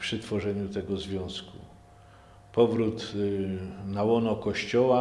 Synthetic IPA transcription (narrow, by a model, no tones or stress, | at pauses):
pʂɘt̪fɔʐɛɲut̪ɛɡɔzvʲjɔ̃w̃skṵ | pɔvɾut̪ | nawɔnɔkɔɕt͡ɕɔwa